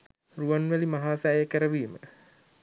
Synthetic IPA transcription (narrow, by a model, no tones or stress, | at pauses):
ruanʋælimaɦaːsaːjəkəɾəʋiːmə̰